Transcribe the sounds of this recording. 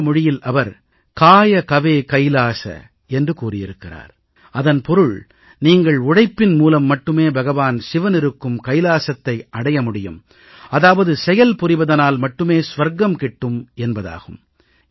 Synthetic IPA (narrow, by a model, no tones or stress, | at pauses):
mʊɻɪjɪlʔɐʋɐɾ | kaːjɐkɐʋeːkɐɪlaːsɐ̰ | ɛndrɯkuːrɪjɪɾɯkːɪra̰ːɾ | ɐðɐnpɔɾɯɭ | niːŋɡɐɭʊɽɐɪpːɪnmuːlɐmːɐʈːɯmeːbʱɐɣɐʋaːnsɪʋɐnɪɾɯkːɯmkɐɪlaːsɐt̪ːɐɪʔɐɽɐjɐmʊɽɪjɯm | ɐðaːʋɐðɯsɛjɐlpʊrɪʋɐðɐnaːlmɐʈːɯmeːsʋɐɾɡɐmkɪʈːɯmɛnbɐða̰ːɣɯm